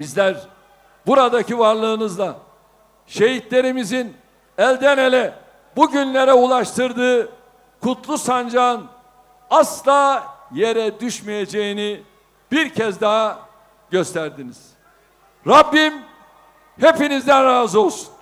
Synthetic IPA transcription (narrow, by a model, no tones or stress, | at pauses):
bizlʲæɾ | buɾad̪acivaɾlˠɯːnɯzlˠa | ʃe̞ɦit̪lʲe̞ɾimizin | ælʲd̪ɛne̞lʲɛ | buɟynlʲe̞ɾɛulˠaʃt̪ʰɯɾd̪ɯː | kʰut̪ʰlˠusand͡ʒaːn | aslˠaːje̞ɾɛd̪yʃmeje̞d͡ʒejini | b̥iɾcʰɛzd̪aɦa | ɟø̞st̪ʰæɾd̪iniz̥ | ɾabːim | he̞pinizd̪ænɾaːzɯo̞lˠsu̥n